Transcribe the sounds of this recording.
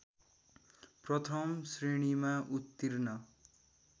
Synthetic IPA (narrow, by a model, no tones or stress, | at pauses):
prʌt̪ʰʌmsriɽ̃imaʔut̪ːirnʌ